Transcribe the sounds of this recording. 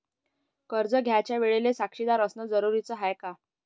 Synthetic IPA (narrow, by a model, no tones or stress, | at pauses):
kəɾd͡zəɡʱjat͡ɕjaʋeɭelesakʂid̪aɾəsnəd͡zəɾuɾit͡səɦajka